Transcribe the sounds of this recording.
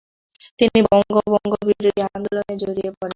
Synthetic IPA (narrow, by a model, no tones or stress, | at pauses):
t̪inibɔŋŋɡobɔŋɡobiɾod̪ʱiamloned͡ʑoɾiepɔɾen